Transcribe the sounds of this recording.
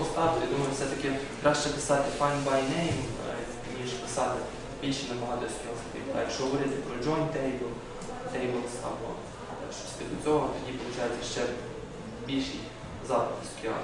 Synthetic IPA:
st̪ɑt̪ɔjad̪umɐjʊfsɛt̪ɐkɪ | kɾɑʃt͡ʃɛpɪsɑt̪ɪfɑjnbajnɛjm | mʲiʒpɪsɑt̪ɪ | bʲilʲʃinɐmɐɦɑd̪ɔsʲt̪ʲɔɦɔspɪt̪ʲjɐkʃt͡ʃɔʋɪɾʲɐd̪ɪpɾɔd͡ʒɔnʲt̪ɛjʲbɔl | t̪ɛjbɪlˠsɐ̰bɔ̰ | ʃt͡ʃɔ̥sʲsʲt̪ɪd̪ʊt͡sʲɔɦɔt̪ɔdʲipɔlˠʊt͡ʃɑjɛt͡sʲːɐʃt͡ʃɛ | bʲilʲʃij | zɑpɪtɪskʲiɑ̰

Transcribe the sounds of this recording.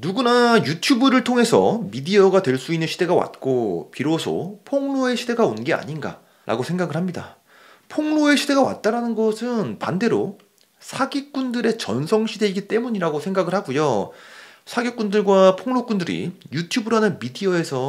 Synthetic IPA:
nuɡunajutʰjubɯɾɯɭtʰoŋe̞sʰʌ̰midiʌɡadwe̞ɭs͈uinːɯnɕʰide̞ɡawa̰t̚k͈opiɾosʰo̰pʰoŋɭoe̞ɕʰide̞ɡaonɡe̞a̰ɲinɡa̰ | ɾʔa̰ɡosʰe̞ŋɡaɡɯɭhamɲida̰ | pʰoŋɭoe̞ɕʰide̞ɡawa̰t̚t͈aɾanɯnɡʌsʰɯnpa̰nde̞ɾo̰ | sʰaɡik͈undɯɾe̞t͡ɕʌnsʰʌŋɕʰide̞iɡit͈e̞muɲiɾaɡosʰe̞ŋɡaɡɯɭhaɡujo | sʰaɡek͈undɯɭɡwapʰoŋnok͈undɯɾḭjutʰjubɯɾanɯnmidiʌe̞sʰʌ

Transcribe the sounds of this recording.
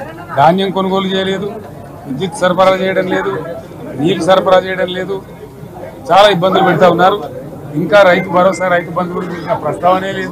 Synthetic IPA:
d̪ʱaːnjɐmko̞nuɡo̞ːlut͡ʃɛːjɐle̞ːd̪u | id͡ʒiʈ̪ːsɐɾpɐɾat͡ʃɛːjɐɽɐnle̞ːd̪u | niːkusɐɾpɐɽaːt͡ʃɛːjɐɽɐnle̞ːd̪u | t͡ʃaːlaːibːɐnd̪ulupɛɽut̪̬aːunːaːɾu | iŋkaːɾɐjt̪ubɐɾo̞ːsaːɾɐjt̪ubɐnd̪uuɽuiɐpɾɐst̪ʰaːʋɐne̞ːle̞ːd̪u

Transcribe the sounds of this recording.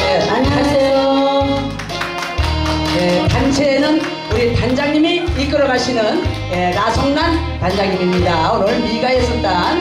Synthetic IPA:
eaɲiasʰejo | jetant͡ɕʰe̞ːnɯn | uɾitand͡ʑaŋɲimiːk͈ɯɾʌɡaɕʰinɯnjenasʰʌŋnan | tand͡ʑaŋɲimimɲidaunʌɭmiɡaes͈ʌt̚t͈a

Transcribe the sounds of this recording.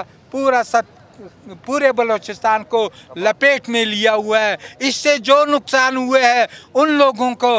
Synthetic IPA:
puːɾasɐ | puːɾebɐloːt͡ʃɪst̪aːnkolɐpeːʈmẽlijaɦʊaɦɛːɪsːed͡ʒoːnʊksaːnɦʊeɦɛʊnloːɡõko

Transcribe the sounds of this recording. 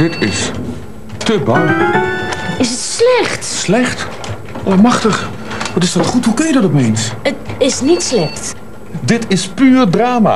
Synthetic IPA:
dɪtʰɪs | təbɑŋ | ɪsətslɛxtslɛχt | amɑχtəχ | ʋɔtɪsdɔtχutɦukənjədɔtɔpejnsətɪsnitslɛxt | dɪtɪspyːrdraːma̰

